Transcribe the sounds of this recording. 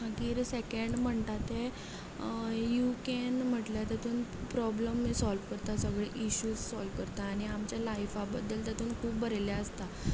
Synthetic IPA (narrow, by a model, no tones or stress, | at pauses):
ɦaɡiːɾsekəɳɖm̤əɳt̪at̪e | jukenm̤əʈlat̪at̪ʰuːnpɾɔbləmːesɔlʋkəɾt̪asəɡɭeʔiɕuːzsɔlʋkəɾt̪aːɽ̃iamt͡ɕjalajfabəd̪ːəlt̪at̪ʰuːnkʰuːpbəɾeljaəst̪a